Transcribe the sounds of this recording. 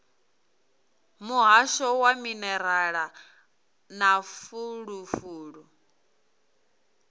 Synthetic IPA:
muɦaʃɔwaminɛɾaɺa | nafuɺufuːɺu

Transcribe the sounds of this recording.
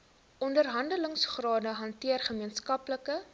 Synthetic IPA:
ʔɔndərɦɐndələŋsχrɑːdəɦɐntiərχəmiənskɐpləkə

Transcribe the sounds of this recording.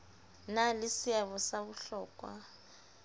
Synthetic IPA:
nalɪsɪaβɔsaβuɬɔːkʼwa̰

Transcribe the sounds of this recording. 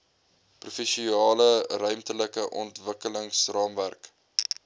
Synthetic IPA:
prufɛʃiɑːlərœɥmtələkəʔɔntvəkələŋsrɑːmværk

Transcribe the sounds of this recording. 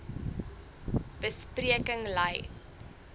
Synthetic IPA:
b̥əspriəkəŋlɐj

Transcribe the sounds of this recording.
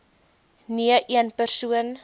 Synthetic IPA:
niəʔiənpərsuən

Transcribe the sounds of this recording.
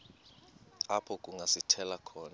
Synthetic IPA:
apʰɔkʼuŋʱasitʰɛlakʰɔːna

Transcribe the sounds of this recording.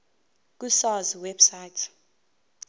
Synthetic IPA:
k̬ʼusɔziwɛb̥sajtʰ

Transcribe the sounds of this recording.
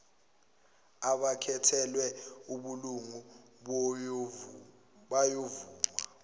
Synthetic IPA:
aɓakʰɛtʰɛlwɛuɓuluŋu | ɓ | ɓajovuːma̰

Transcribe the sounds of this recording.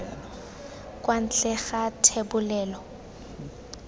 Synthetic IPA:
kʼwan̩t͡ɬɛɣatʰebʊlɛːlɔ

